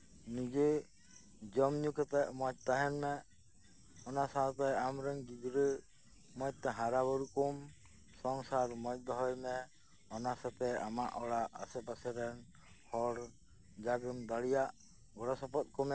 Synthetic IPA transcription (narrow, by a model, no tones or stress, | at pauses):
niɡe | d͡ʒɔmɲukɛt̪ɛʔmɔt̪ːaɦɛnmɛ | ɔnasat̪ɛjamɾɛŋɡid͡ʒɾə | mɔj̚t̪ːɛɦaɾabɔɾukɔm | sɔŋsaɾmɔjt̚ˀd̪ɔɦɔjmɛ | ɔnasap̪ɛamaʔɔɽaʔa̰sɛpasɛɾɛn | hɔɽ | d͡ʒaɡəmd̪aɽijaʔ | ɡɔɾɔsɔpɔt̪̚kɔmɛ